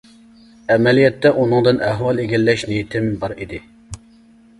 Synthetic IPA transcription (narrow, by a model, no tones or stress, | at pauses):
ɛmɛlijɛt̪ːɛʔunɨŋd̪ɨnɛɦwɑlˠeɡʲɛlːɛʃnijit̪ʰɪmbɑɾid̪ɪ